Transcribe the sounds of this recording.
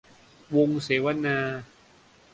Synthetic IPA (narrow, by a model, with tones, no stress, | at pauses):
wo˧ŋseː˩˦wa˧naː˧